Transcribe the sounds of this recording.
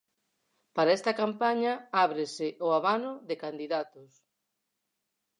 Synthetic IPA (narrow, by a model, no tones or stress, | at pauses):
paɾaest̪ɐkampaɲaaβɾɪsɪʔoaβanʊðɪkand̪iðat̪ʊs